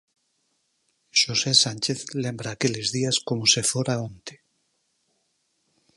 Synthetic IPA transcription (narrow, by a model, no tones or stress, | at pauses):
ʃosesanʲt͡ʃeθlẽmbɾaːkelezðiaskomosefoɾaõnt̪e̥